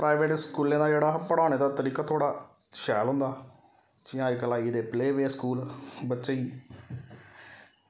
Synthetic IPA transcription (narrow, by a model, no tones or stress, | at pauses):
pɾaːɪʋeːʈskuːlẽːd̪aːd͡ʒeːɽaːpəɽaːneːd̪aːt̪əɾiːkaːt̪ʰoːɽaː | ʃɛːlɦʊ̃nd̪aː | t͡ʃɪãːekəlaːiːd̪eːpleːʋeːskuːlbətːʃeːiː